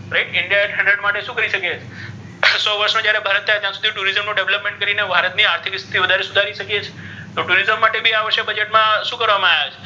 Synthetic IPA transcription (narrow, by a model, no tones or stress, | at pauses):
ɾeʈɪɳɖijaeʈɦə̃ɳɖɾəɖmaʈeʃũkəɾiʃəket͡ʃʰe | sɔʋəɾʃnõd͡ʒjaɾebʱaɾət̪ʰːajt̪jãsud̪ʱiʈuɾizəmnũɖeʋləpmẽɳʈ̚kəɾinebʱaɾət̪niaɾt̪ʰikst̪ʰit̪ʰiʋəd̪ʱaɾesud̪ʱaɾiʃəkijet͡ʃʰe̥ | t̪oʈuɾizəmːaʈebʱiaʋəɾʃebəd͡ʒeʈmãʃũkəɾʋamãajet͡ʃʰe